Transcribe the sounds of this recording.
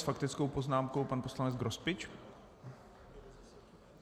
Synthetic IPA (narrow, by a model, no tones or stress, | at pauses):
sfakt̪ɪt͡sko̞wpoznaːmko̞wpanpo̞slanɛd͡zɡɾospɪt͡ʃ